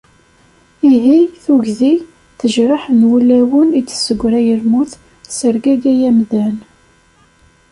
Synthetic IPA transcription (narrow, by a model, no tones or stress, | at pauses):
iɦiθuʝði | θəʒɾˤəħənwulæwənit͡sːə̥sːəɡʷːɾæjəlmuθ | səɾɡæɡæjæmðæn